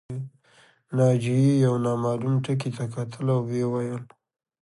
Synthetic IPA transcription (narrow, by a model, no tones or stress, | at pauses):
nɑd͡ʒiijawnɑmɑlumʈək̬it̪akat̪ʰəlawwewajəl